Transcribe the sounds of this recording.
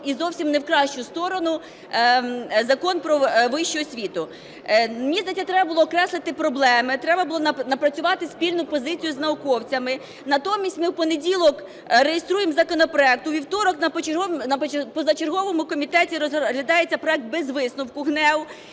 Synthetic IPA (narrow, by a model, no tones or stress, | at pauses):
izɔwsʲimnewkɾɑʃt͡ʃʊst̪ɔɾɔnʊ | zɐkɔnpɾɔʋɪʃt͡ʃɔɔsʲʋʲit̪ʊ | mʲizd̪ɐtʲɐt̪ɾɛbɐbʊlˠɔːkɾɛslˠɪt̪ɪpɾɔblˠɛmɪt̪ɾɛbɐbʊlˠɔnɐpɾɐt͡sʲʊʋɑt̪ɪsʲpʲilʲnʊpɔzɪt͡sʲijʊznɐʊkɔwt͡sʲɐmɪ | nɐt̪ɔmʲisʲtʲmɪwpɔnedʲilˠɔk | ɾejest̪ɾujemzɐkɔnɔpɾɔɛk̚t̪ʊʋʲiwt̪ɔɾɔknɐnɐpɔzɐt͡ʃerɦɔʋɔmʊkɔmʲit̪ɛtʲiɾɔɦlʲɐd̪ɑjet͡sʲːɐpɾɔɛk̚t̪̚bezʋɪsnʊwkʊɦnɛw